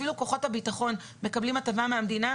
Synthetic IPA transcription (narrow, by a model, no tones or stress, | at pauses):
iluko̞χo̞thabitaχo̞n | me̞kablimatavameamdina